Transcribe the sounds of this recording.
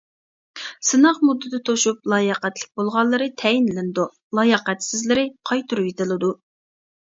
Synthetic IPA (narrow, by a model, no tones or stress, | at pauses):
sɨnɑʁmud̪ːɨd̪ɨt̪ʰoʃup̚lˠɑːjəqɛt̪lɪk̚ʲbolˠʁɑnlˠːɨɾɨt̪ʰɛjinlɪnɪd̪u | lˠɑjəqɛt̪sɪzlɪɾɪqʰɑjt̪ʰuɾujet̪ɨlˠɨd̪u